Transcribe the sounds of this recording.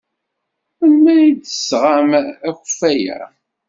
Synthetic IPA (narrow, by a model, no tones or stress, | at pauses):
ənmæid̪əsʁamæçəfæjæ̰